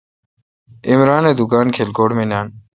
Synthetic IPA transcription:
ɪmɾaːneːd̪ʊkaːnkʰeːlkoːɽmenaːn

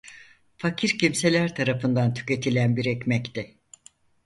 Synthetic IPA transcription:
facʰiɾcimse̞lʲæɾt̪ʰaɾafɯnd̪ant̪ʰy̥ce̞t̪ʰilʲænbiɾɛcmɛct̪ʰɛ

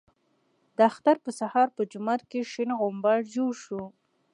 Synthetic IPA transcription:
d̪əaxt̪aɾpəsahɑɾpəd͡ʒʊmaɾkeʃɪnɣombɑɽd͡ʒoɽʃu

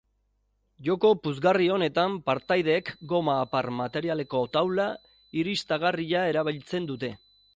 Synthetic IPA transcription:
ʝo̞ko̞puzɣario̞ne̞t̪ampaɾt̪ajðe̞ːkɡo̞maːpaɾmat̪e̞ɾiale̞ko̞t̪awla | iɾist̪aɣariʎae̞ɾaβ̞ilt͡se̞nd̪ut̪e̞

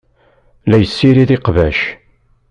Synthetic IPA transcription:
læjəsːiɾiðɪqvæʃ

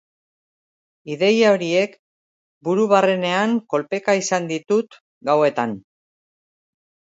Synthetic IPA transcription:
iðe̞jaoɾie̞k | buɾuβare̞ne̞aŋko̞lpe̞kaisand̪it̪ut̪ | ɡawe̞t̪an

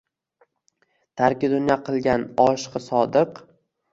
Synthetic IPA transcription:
t̪ʰaɾkʲɪd̪ʊnjɒqʰɨlˠɡʲanɒʃqɨsɒd̪ɨq

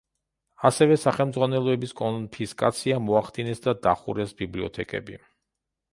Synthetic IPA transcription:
asɛvɛsaχɛlˠmd̪zʁwanɛlˠɔɛbiskʼɔnpʰiskʼat̪sʰiamɔaχd̪inɛsd̪ad̪aχṵɾɛsbibliɔ̰t̪ʰɛkʼɛ̰bḭ

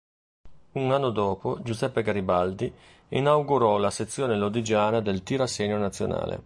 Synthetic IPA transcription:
unanːod̪ɔːpod͡ʒuzɛpːeɡaɾibald̪i | inawɡuɾɔlaset̪sːjoːnelod̪id͡ʒaːnad̪elt̪iɾaseːɲonat̪sːjo̰na̰ːlḛ

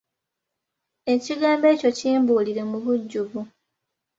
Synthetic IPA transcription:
e̞ciɡaːmbe̞ːco̞ciːmbuːliɾe̞muβuɟːuβu

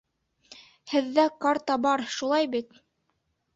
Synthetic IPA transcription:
hɘ̆ðːækaɾt̪ɑbɑɾʃulˠɑjbit̪

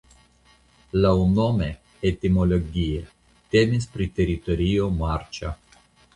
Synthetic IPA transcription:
launome | et̪imoloɡie | t̪emispɾit̪eɾit̪oɾiomaɾt͡ʃa

